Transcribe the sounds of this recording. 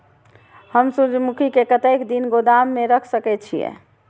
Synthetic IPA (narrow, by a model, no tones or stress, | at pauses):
həmsud͡ʒmukʰikekət̪əkd̪inɡod̪amːeɾəkʰsəkɛt͡ʃʰijɛ̰